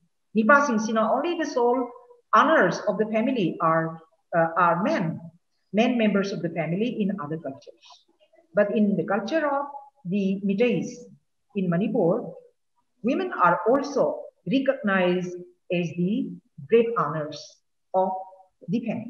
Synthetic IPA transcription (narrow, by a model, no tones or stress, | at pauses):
nip̬asĩŋsinaõnlid̪əsol | anəɾsɔfd̪əfɛmiliʔaɾ | aɾmẽn | mẽnmẽmbəɾsɔfd̪əfɛmiliʔĩnad̪əɾkʌlt͡ʃəɾs | bɐʈĩnd̪əkʌlt͡ʃəɾɔfd̪imiʈəjs | ĩnmʌnipuɾ | wimə̃naːɾɔlsoɾikəɡ̚naɪzɖ | ɛzd̪iɡɾeʈanəɾs | ɔf | d̪ifɛmili